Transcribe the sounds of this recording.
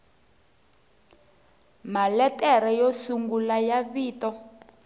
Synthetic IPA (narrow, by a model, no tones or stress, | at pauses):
malɛtɛɾɛjɔsuŋɡulajaβiːtɔ